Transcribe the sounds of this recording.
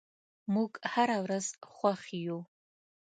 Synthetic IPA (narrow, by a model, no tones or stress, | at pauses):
mukʼħaɾawrazχʷaχʲijow